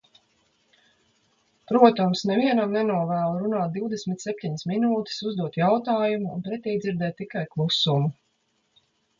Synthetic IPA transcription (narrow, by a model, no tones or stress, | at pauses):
pɾuɔt̪amsnɛviɛnamnɛnuɔvæːlˠɾunaːt̪̚d̪iwd̪esmʲit̪ʲsɛp̚ʲt̪ʲiɲɪsminuːt̪ɪ̥suzd̪uɔt̪jawt̪aːjumṵːnpɾɛt̪ʲijd̪ziɾd̪ɛːt̪ːikajklˠusumu